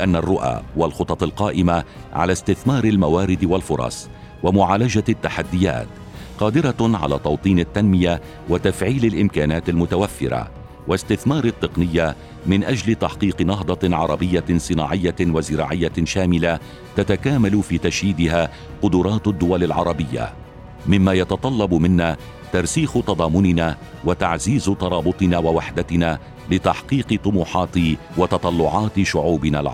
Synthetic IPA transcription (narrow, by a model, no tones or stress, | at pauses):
ʔanːarˤːʊʔa̰ːwalxʊt̪ˤɑt̪ˤɑlqɑːʔɪma | ʕa̰last̪ɪθmɑːɾɪlmawaːɾɪd̪walfʊɾˤɑ̰sˤ | wamʊʕaːlad͡ʒat̪ːaħad̪ːɪja̰ːt̪ | qɑːd̪ɪɾaʕa̰la̰ːt̪ˤɑwt̪ˤiːnat̪ːanmɪja | wat̪afʕiːlalʔɪmkaːnaːt̪almʊt̪awafːɪ̰ɾa̰ | wast̪ɪθmɑːɾˤɪt̪ːɨqnɪjːa | mɪnʔad͡ʒlɪt̪aħqiːqɨnɑɦd̪ˤɑʕɑɾˤɑbɪjːasˤɨna̰ːʕɪjːawazɪɾɑ̰ːʕɪjːaʃaːmɪla | t̪at̪akaːmalʊfiːt̪aʃhiːd̪ɪɦaː | qʊd̪ʊɾˤɑːt̪d̪ːʊwalalʕɑɾˤɑbɪjːa̰ | mɪmːaːjɑt̪ɑt̪ˤɑlːɑbmɪnːaː | t̪ɑɾˤsiːxt̪ɑd̪ˤɑːmʊnɪnaː | wat̪aʕziːzt̪ɑɾˤɑːbʊt̪ˤɨnaːwawaħd̪at̪ɪnaː | lɪt̪aħqiːqɨt̪ˤʊmuːħɑːt̪ɪwɑt̪ɑt̪ˤɑlːʊʕɑːt̪ʃʊʕuːbɪna̰lʕ̰